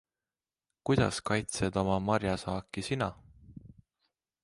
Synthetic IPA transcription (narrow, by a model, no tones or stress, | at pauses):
kujd̪̥ɑ̰skɑjt̪sed̪̥o̞mɑmɑɾjɑsɑːkːˑisinɑ